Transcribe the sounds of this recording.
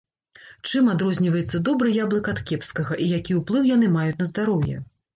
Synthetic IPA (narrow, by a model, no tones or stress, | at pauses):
t͡ʂɨmad̪ɾɔzʲnʲivɐjɛt̪sːɐd̪ɔbɾɨjablˠɨkɐt̪kʲɛpskɐɣɐʔijakʲiwplˠɨwjanɨmajut͡sʲnɐzd̪aɾɔwjɛ̰